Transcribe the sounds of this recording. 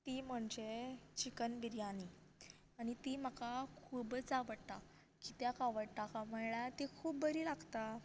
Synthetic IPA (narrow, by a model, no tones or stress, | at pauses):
t̪iːm̤əɳd͡ʑet͡ɕikənbiɾjani | aɽ̃it̪im̤akakʰubt͡saʋəɽt̪a | kit̪jakaʋəɽt̪akaməjɭat̪ekʰuːbbəɾiːlaɡt̪a